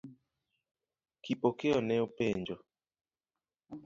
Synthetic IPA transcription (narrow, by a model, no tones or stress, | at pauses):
kipokeɔnɛopeɲd͡ʒɔ